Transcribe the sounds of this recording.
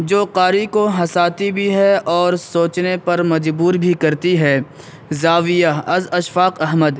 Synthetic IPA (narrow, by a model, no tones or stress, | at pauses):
d͡ʒoːqaːɾikoɦɐsaːt̪ibʱiɦɛʔɔːɾsoːt͡ʃnepɐɾmɐd͡ʒbuːɾbʱikɐɾt̪iɦɛː | zaːʋijaɐzɐʃfaːqɐɦməd̪